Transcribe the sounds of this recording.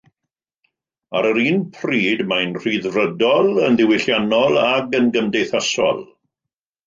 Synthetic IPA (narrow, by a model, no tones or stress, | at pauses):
aɾəɾiːnpʰriːdmajnr̥iðrədɔlˠənðɪwɪɬjanɔlˠaɡənɡəmdejθasɔ̰lˠ